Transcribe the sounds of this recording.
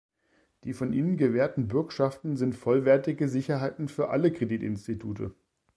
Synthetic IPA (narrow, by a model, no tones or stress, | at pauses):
d̥iːfɔnʔiːnənɡəvɛːɐtn̩bʏɐkʃaftn̩zɪntfɔlvɛɐtɪɡəzɪçɐɦaɪtn̩fyːɐʔaləkʁ̥ediːtɪnstitʰuːtʰə̰